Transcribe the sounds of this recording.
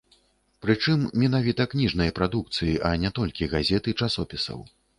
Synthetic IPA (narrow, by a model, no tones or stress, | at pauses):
pɾɨt͡ʂɨmːʲɛnavʲit̪ɐknʲiʐnɐjɐpɾad̪uk̚t̪sɨjiʔɐnʲɛt̪ɔlʲkʲiɣazʲɛt̪ɨt͡ʂasɔpʲisɐ̰w